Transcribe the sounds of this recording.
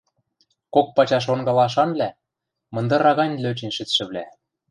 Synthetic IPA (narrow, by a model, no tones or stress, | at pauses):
kok̚pɑt͡ɕɑʃ̬onɡɑlɑʃ̬ɑnlæ | mɤ̆nd̪ɤ̆ɾɑɣɑnʲløt͡ɕinʃɘ̆t͡s̪ʃɘ̆βlæ